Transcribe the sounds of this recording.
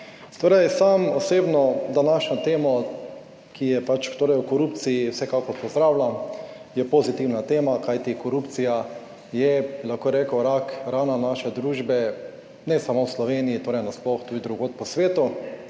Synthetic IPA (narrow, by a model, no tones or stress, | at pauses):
t̪oːɾɛjsamɔseːbnɔd̪anaʃnɔt̪eːmɔ | kʰijɛpat͡ʃt̪oːɾɛjukɔɾuːpt̪sijiwsɛkakɔɾpɔzd̪ɾaːwlʲa | jɛpɔzit̪iwnat̪eːmakajt̪ikɔɾup̪sija | jɛbilaxkoɾɛkəwɾakɾaːnanaʃɛd̪ɾuːʒbɛ | nɛsamowslɔʋeːnijit̪oːɾɛɪjnasplɔxt̪uːd̪id̪ɾuɡoːt̪̚pɔsʋeːt̪u